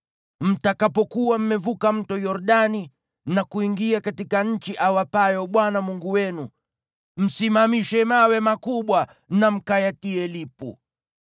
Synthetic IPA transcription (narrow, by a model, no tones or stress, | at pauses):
m̩takapɔkuwam̩mɛvukam̩tɔjɔɾɗani | nakuiŋɡiakatikaɲ̩t͡ʃiʔawapajɔɓwanamuŋɡuwɛnu | m̩simamiʃɛmawɛmakuɓwa | nam̩kajatiɛlipṵ